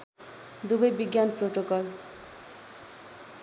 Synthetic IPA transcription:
d̪ubejbiɡjanpɾoʈokɔl

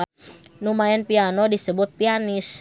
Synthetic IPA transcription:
numaɛnpianɔdisəbʊt̪̚pianɪs

